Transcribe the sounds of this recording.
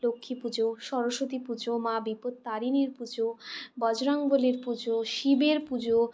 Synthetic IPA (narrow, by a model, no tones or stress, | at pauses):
lokʰːipud͡ʑoʃɔɾoʃot̪ipud͡ʑomabipod̪t̪aɾineɾpud͡ʑobɔd͡ʑɾaŋboleɾpud͡ʑoʃibeɾpud͡ʑo